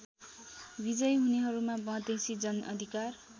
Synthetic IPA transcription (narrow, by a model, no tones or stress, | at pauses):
bid͡zʌjɦuneɦʌɾumabʌ̃d̪esid͡zʌnʔʌ̰d̪ʱikar